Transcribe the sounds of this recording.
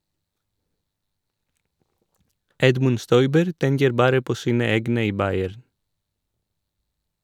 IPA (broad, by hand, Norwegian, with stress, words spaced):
ˈɛdmʉn ˈstɔʏbəɾ ˈtɛŋkəɾ ˈbɑːɾə ˈpoː ˈsiːnə ˈeːɡnə ˈiː ˈbɑɪæɾn